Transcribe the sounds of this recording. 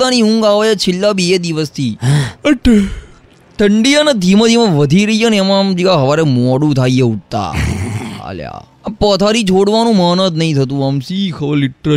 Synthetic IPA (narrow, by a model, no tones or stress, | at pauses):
t̪aniũŋɡaʋajat͡ʃʰɪlːabed̪iʋəst̪ʰiːəʈe | ʈʰəɳɖijanad̪ʱimə̃d̪ʱimə̃ʋəd̪ʱiɾəɦiəneɛmãd͡ʒikaɦəʋaɾemɔɽũt̪ʰaijeuʈ̚t̪a̰ɦa̰lja̰ | pət̪ʰaɾit͡ʃʰoɽʋanũməːnət̪nəɦĩt̪ʰət̪̬ũamsiːkʰəlɪʈɾə